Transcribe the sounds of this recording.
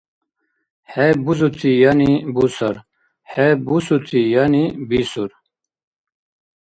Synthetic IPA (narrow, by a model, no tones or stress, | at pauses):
hebuzut̪ʰijanibusɐɾ | hebusut̪ʰijanibisuɾ